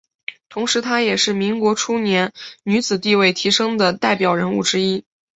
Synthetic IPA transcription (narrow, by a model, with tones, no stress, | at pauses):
t̪ʰʊ˧˥ŋʂɻ̩˧˥t̪ʰa˥jɛ˨˩ʂɻ̩˥˩mi˧˥ŋkwɔ˧˥ʈ͡ʂʰu˥njɛ˧˥nny˧˥t͡sɹ̩˨˩t̪i˥˧we˥˩ɪt̪ʰi˧˥ʂɤ˥ŋd̪ə˨t̪a˥˩ɪpjɑ˨˩ʊɻə˧˥nu˥˩ʈ͡ʂɻ̩˥i˥